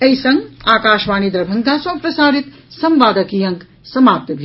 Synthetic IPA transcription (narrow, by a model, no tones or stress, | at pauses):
ejsɐŋɡaːkaːʃʋaːnid̪ɾɐbʱɐŋɡaːswaːpɾɐsaːɽit̪ | sɐmʋaːd̪ɐkiːjɐŋk | sɐmaːp̚t̪ɐbʱ